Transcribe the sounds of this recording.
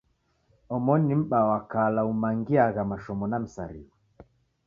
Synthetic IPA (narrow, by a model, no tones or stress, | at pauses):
ɔmɔnim̩ɓawakalaumaŋɡiaɣamaʃɔmɔnam̩saɾḭwa